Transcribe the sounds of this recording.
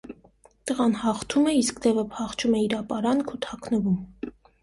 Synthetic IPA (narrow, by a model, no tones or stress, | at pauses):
t̪əʁɑnhɑχt̪ʰumɛiskd̪ɛvəpʰɑχt͡ʃʰumɛiɾɑpɑɾɑnkʰut̪ʰɑkʰnəvum